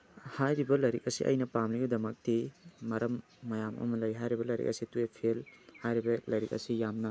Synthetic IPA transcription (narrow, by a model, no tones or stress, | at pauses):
hajɾibɐlɐjɾik̚ɐsiʔɐ̰jnɐpamliɡɐdɐmɐk̚timɐɾɐmː | ɐjamɐ̰mɐlɐjɦajɾibɐlɐjɾḭk̚ɐ̰situepʰelhajɾibɐlɐjɾik̚ɐ̰sijamnɐ